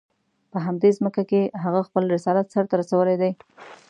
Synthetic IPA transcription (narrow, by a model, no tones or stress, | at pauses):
pəɦamd̪ezməkakeɦaɣaxpəlɾɪsɑlat̪saɾt̪aɾasawəlejd̪aj